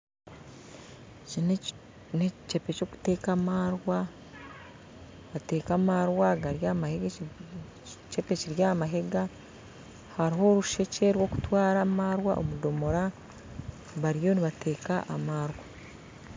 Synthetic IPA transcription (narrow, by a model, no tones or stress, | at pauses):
in | net͡ʃe̞pe̞co̞ːku̥te̞ːkamaɾwa | βate̞ːkamaɾwaɡaɾjamaheɡe | t͡ʃepe̞ciɾjamaɦe̞ɡa | haɾiɦo̞ɾuʃe̞cʰeɾwo̞ːku̥twaːɾamaːɾwa̰ʔo̰mudo̞mo̞ɾa | βaɾjo̞niβatʰe̞ːkaʔamaːɾwa